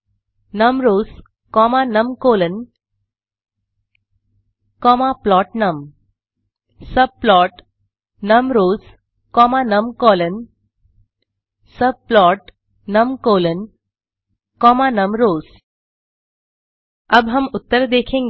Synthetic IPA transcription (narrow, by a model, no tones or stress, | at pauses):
nəmɾoːz | kɔːmanəmkoːlən | kɔmaplɔːʈ̚nəm | səb̚plɔːʈ | nəmɾoːz | kɔːmanəmkɔːlən | səb̚plɔːʈ | nəmkoːlən | kɔːmanəmɾoːz̥ | əbɦəmut̪ːəɾd̪eːkʰẽːŋ